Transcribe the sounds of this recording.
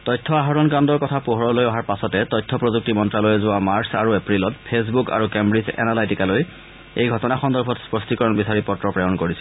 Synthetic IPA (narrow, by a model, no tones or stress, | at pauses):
tɔjtʰːɔaɦɔɹɔnkandɔɹkɔtʰapuɦɔɹɔlojɔɦaɹpasɔtɛtɔjtʰːɔpɹozuk̚timɔntɹalojɛzʊwamaɹsaɹuepɹilɔtpʰes̬buka̰ɹukembɹizɛ̰nalajtikaloj | ejɡʱɔtɔnaxɔndɔɹbʰʱɔtspɹɔstikɔɹɔnbisaɹipɔtɹɔpɹɛjɔnkoɹisɛ